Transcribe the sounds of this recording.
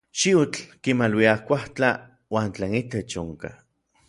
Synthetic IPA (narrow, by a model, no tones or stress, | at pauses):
ʃiut͡ɬkimalwiakʷaht͡ɬa | waːnt͡ɬeːnit̪et͡ʃoŋka̰